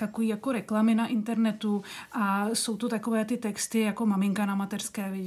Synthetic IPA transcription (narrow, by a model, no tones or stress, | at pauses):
t̪akoviːjako̞ɾɛklamɪnaʔɪnt̪ɛɾnɛt̪uʔaso̞wt̪ot̪ako̞vɛːt̪ɪt̪ɛkst̪ɪjako̞mamɪŋkanamat̪ɛrskɛːvjɛ